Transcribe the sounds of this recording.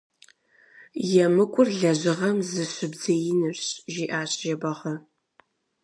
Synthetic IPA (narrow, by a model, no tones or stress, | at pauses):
jɛmɨkʷʼʊrɮɐʑɪʁɐmzɨɕɨbzɐjɪnɨɕɕʒiːʔaːɕʼʒɐbɐʁɐ